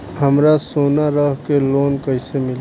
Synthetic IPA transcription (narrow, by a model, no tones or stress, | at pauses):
ɦəmɾasoːnaɾəɦkeloːnkəɪsemɪl